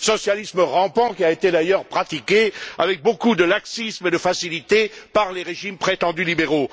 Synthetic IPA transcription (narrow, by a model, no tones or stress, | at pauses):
sɔsjalisməʁɑ̃pɑ̃kʲiaet̪ed̪ajœʁpχat̪ikʲeavɛk̚bokud̪əlaksismed̪əfasilit̪epaʁleʁeʒimpχet̪ɑ̃d̪ylibeʁo